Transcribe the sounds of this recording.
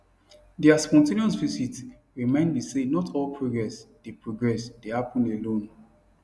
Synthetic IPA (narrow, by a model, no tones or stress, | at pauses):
diaspɔ̃ntẽniɔ̃svisit | ɹimãɪ̃nbisenɔtʰɔlpʰɹoɡɹɛsd̥epʰɹoɡɹɛsd̥ehapɔ̃nelõn